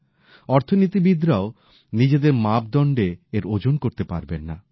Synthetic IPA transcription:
ɔɾt̪ʰonit̪ibid̪ɾao | nid͡ʑed̪eɾmab̚d̪ɔɳɖeeɾod͡ʑonkoɾt̪epa̰ɾbenːa̰

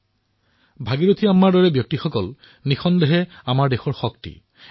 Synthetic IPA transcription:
bʱaɡiɹot̪ʰiamːaɹdɔɹɛbjɔk̚tixɔkɔl | nixʰɔndɛɦɛamaɹdexɔɹxɔk̚tḭ

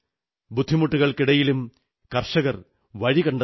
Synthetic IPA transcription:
bud̪ʱːimuʈːuɣɐɭkiɽɐjilum | kɐrʂɐɣɐr | ʋɐɻikɐɳɖɐ

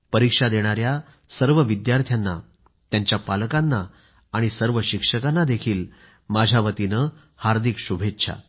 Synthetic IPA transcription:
pəɾikʂad̪eɽ̃aɾja | səɾʋəʋid̪jaɾt̪ʰjanːa | t̪jaɲt͡ɕjapaləkanːaː | ɽ̃isəɾʋəɕikʂəkanːad̪ekʰiːl | mad͡ʑʱjaʋət̪inə | haɾd̪ʱikɕubʱetːɕʰa̰

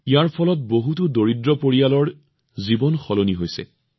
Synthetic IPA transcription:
ijaɹpʰɔlɔt̚boɦutudoɹidɹɔpoɹijalɔɹ | zibɔnxɔloniɦojsɛ̰

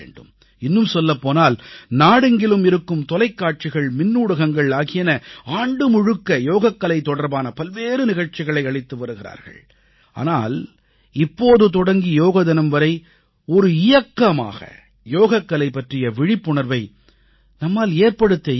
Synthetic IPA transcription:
ḛːɳɖɯm | ɪnːɯmsɔlːɐpːoːnaːlnaːɽɯŋɡɪlɯmɪɾɯkːɯmt̪ɔlɐɪkːaːʈ̚t͡ʃɪɣɐɭmɪnːuːɽɯɣɐŋɡɐɭaːɣɪjɐnɐaːɳɖɯmʊɻɯkːɐjoːɣɐkːɐlɐɪt̪ːɔɽɐɾbaːnɐpɐlʋeːɾɯnɪɣɐɻt͡ʃɪɣɐɭɐɪɐɻɪt̪ːɯʋɐɾɯɣɪɾa̰ːɾɣɐ̰ɭ | ʔa̰ːna̰ːl | ɪpːoːðɯt̪̬ɔɽɐŋɡijoːɣɐðɐnɐmʋɐɾɐɪ | ɔɾɯɪjɐkːɐma̰ːɣɐ̰ | joːɣɐkːɐlɐɪpːɐʈrɪjɐʋɪɻɪpːʊɳɐɾʋɐɪ | nɐmːaːleːɾpɐɽɯt̪ːɐ

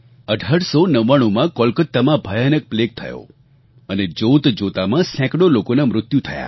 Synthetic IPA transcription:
əɖʱaɽsonəʋaɽ̃omãkɔlkət̪ːamãbʱəjanək̚plek̚t̪ʰə̰jo̰ | əned͡ʒowt̪d͡ʒot̪amãsɛ̃kɽolokonamɾʊt̪jut̪ʰəja̰

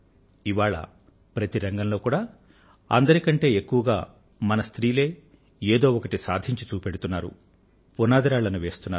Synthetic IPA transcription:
iʋaːɭɐ̰ | pɾɐt̪iɾɐŋɡɐnlo̞ːkuːɽaː | ɐ̰nd̪ɐɾikɐɳʈe̞ːekːuʋɐɡa̰ː | mɐnɐst̪ɾiːle̞ː | eːd̪o̞ːɔkɐʈisaːd̪ʱiɲt͡ʃit͡ʃuːpeɽut̪unːaːɾṵ | punaːd̪ɐɾaːɭɐnuʋe̞ːst̪unːaː

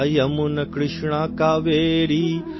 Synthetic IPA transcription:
jɐmunɐkɾɪʂɳaːkaːʋeːɾi

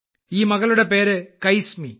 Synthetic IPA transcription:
iːmɐɣɐɭɯɽepeːɾɯkɐjsmḭ

